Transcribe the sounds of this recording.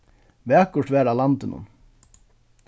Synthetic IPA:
vɛːkʊ̥ʈʋɛːɾalant̪ɪnʊ̰n

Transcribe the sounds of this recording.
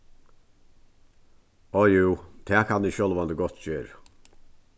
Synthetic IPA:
ɔjuːt̪ʰɛːkʰanːɪʃɔlʋand̪əɡɔt̪ːd͡ʒøːɾə

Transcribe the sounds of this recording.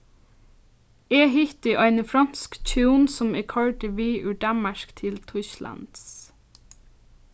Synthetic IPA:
eːɦʏt̪ɪʔɑɪnəfɾɑnskt͡ʃʰɪuːnsɔmeːkʰɑɹʈɪʋiːʔʉːɖæmmɑʃkt̪ʰɪlt̪ʰwʏʃlɑ̰nd̪̥s

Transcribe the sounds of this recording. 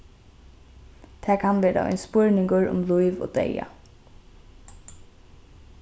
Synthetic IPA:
t̪ʰɛːkʰanʋeːɾa̰ʔɛ̰nspʊɹnɪŋɡʊɹʊ̰mlujʋo̰ːd̪ɛ̰ja̰

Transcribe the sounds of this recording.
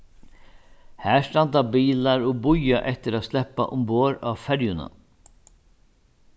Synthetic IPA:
hæːʂt̪ɑnd̪ɑːbiːlɑɾoːbʊjaʔɛt̪əɾaːslɛpa̰ʔʊmboːɾɑːʋfæɾjʊnə̰

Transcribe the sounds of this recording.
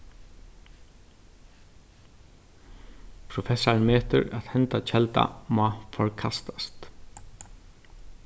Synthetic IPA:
pʰɾʊfɛsaɹmeːt̪ʏ̰ɹat̪hɛnt̪at͡ʃʰɛlt̪a̰mɑːfɔɹkʰast̪ḁst̪

